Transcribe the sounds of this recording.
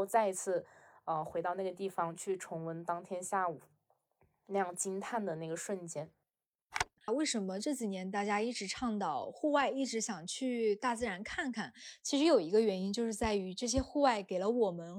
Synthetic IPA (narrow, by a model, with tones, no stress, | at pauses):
t͡sa˥˩ɪi˧˥t͡sʰɹ̩˥˩ə˧xwe˧˥ɪt̪ɑ˥˧ʊna˥˩ɡə˩t̪i˥˩fɑ˧˩ŋt͡ɕʰy˥˩ʈ͡ʂʰʊ˧˥ŋwə˧˥nt̪ɑ˥ŋt̪ʰjɛ˥nɕja˥˩u˨˩˦ | na˥˧jɑ˥˩ŋt͡ɕi˥nt̪ʰa˥˩nd̪ə˩na˥˩ɡə˩ʂwə˥˩nt͡ɕjɛ˥n˥˧ | we˥˩ɪʂə˧˥nmə˧ʈ͡ʂɤ˥˩t͡ɕi˨˩njɛ˧˥nt̪a˥˩t͡ɕja˥i˥˩ʈ͡ʂɻ̩˧˥ʈ͡ʂʰɑ˥˧ŋt̪ɑ˥˩ʊxu˥˧wa˥˧ɪi˥˩ʈ͡ʂɻ̩˧˥ɕjɑ˨˩ŋt͡ɕʰy˥˧t̪a˥˧t͡sɹ̩˥˧ɻa˧˥nkʰa˥˩nkʰa˥˩nt͡ɕʰi˧˥ʂɻ̩˧˥jo˨˩ʊi˧˥ɡə˧ɥɛ˧˥ni˥nt͡ɕjo˥˧ʊʂɻ̩˥˧t͡sa˥˩ɪy˧˥ʈ͡ʂɤ˥˩ɕ̬jɛ˥xu˥˧wa˥˩ɪke˨˩ɪlə˦wɔ˨˩mə˦n